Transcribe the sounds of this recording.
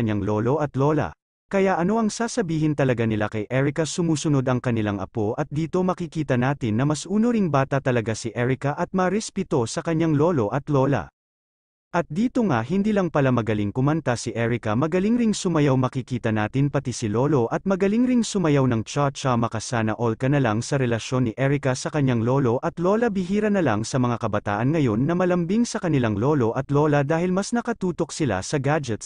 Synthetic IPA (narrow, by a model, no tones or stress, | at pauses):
ɲːaŋlo̞lo̞ʔɐt̪lo̞lɐ̰ | kɐjaʔɐno̞ʔɐŋsaːsɐbiːɦɪnt̪ɐlɐɡanɪla̰kɐjʔɛɹɪkɐsʊmuːsʊno̞d̪ɐŋkɐnɪlaŋʔɐ̰po̞ʔɐt̪̚d̪iːt̪o̞mɐkikiːt̪ɐnaːt̪ɪnːɐmɐsʔuːno̞ɾiŋbaːt̪ɐt̪ɐlɐɡasiʔɛɹɪkɐʔɐt̪̚mɐɾɛspɪt̪o̞sɐkɐɲːaŋlo̞ːlo̞ʔɐt̪lo̞ːlɐ̰ | ʔɐt̪̚d̪iːt̪o̞ŋahɪnd̪iːlɐŋpɐlamɐɡɐliŋkʊmɐnt̪asiʔɛɹɪkɐmɐɡɐliŋɾiŋsʊmɐjawmɐkikiːt̪ɐnaːt̪ɪnpɐt̪isɪlo̞ːlo̞ʔɐt̪̚mɐɡɐliŋɾiŋsʊmɐjawnɐŋt͡ʃat͡ʃɐmɐkɐsaːnɐ̰ʔolkɐnɐlaŋsɐɾɛlɐʃjo̞nːiʔɛɹɪkɐsɐkɐɲːaŋlo̞ːlo̞ʔɐt̪lo̞ːlɐbɪɦiːɾɐnɐlɐŋsɐmɐŋakɐbɐt̪a̰ːʔɐnŋɐjo̞nːɐmɐlɐmbiŋsɐkɐnɪlaŋlo̞ːlo̞ʔɐt̪lo̞ːlɐd̪aːhɪlmɐsnɐkɐt̪uːt̪o̞k̚sɪla̰sɐɡad͡ʒɛt̪̚